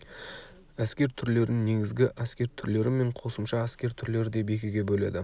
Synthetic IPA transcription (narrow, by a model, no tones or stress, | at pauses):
æskʲe̞ɾt̪ʰʏɾle̞ɾɪnne̞ɡʲɪzɡʲɪʔæskʲe̞ɾt̪ʰʏɾle̞ɾɪme̞ɴqʰo̞səmʃɑæskʲe̞ɾt̪ʰʏɾle̞ɾɪd̪e̞be̞kʲɪɡʲe̞bɵle̞̰d̪ɪ